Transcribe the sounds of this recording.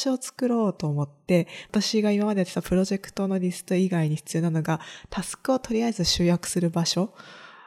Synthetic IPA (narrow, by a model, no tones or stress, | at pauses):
ɕoːt͡sɨ̥kɯ̟ɾo̞ːt̪o̞ːmo̞t̪ːe̞at̪aɕiɡaimamad̪e̞t̪et̪apɯɾo̞ʑe̞kɯ̟̥t̪o̞no̞ɾʲisɨ̥t̪o̞iɡaiɲ̟iɸɯ̥t͡sɨjo̞ːnano̞ɡat̪ʰasɨ̥kɯ̟o̞t̪o̞ɾʲiaezɨɕɨːjakɯ̟̥sɨɾɯ̟baɕo̞